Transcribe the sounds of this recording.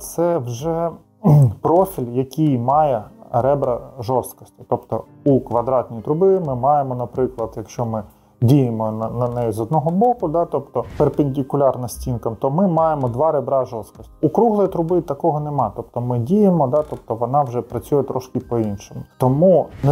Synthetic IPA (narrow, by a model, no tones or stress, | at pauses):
t̪sɛwʒɛ | pɾɔfʲilʲjɐkʲijmɑjɛɾɛbɾɐʒɔst̪kɔ̥sʲtʲi̥t̪ɔpt̪ɔ | ukʋɐd̪ɾɑt̪ʲnʲijt̪ɾʊbɪmɪmɑjemɔnɐpɾɪklˠɐd̪jɐkʃt͡ʃɔmɪ | dʲijemɔnɐnɐnɛjizɔd̪nɔɦɔbɔkʊd̪ɑt̪ɔpt̪ɔperpenʲdʲikʊlʲɑrnɐsʲtʲinkɐmt̪ɔmɪmɑjemɔd̪ʋɑɾebɾɑʒɔst̪kɔsʲtʲi̥ʊkɾuɦlˠɔjit̪ɾʊbɪt̪ɐkɔɦɔnemɑt̪ɔpt̪ɔmɪdʲijemɔd̪ɑt̪ɔpt̪ɔʋɔnɑwʒɛpɾɐt͡sʲujɛt̪ɾɔʃkɪpɔinʃemʊt̪ɔmun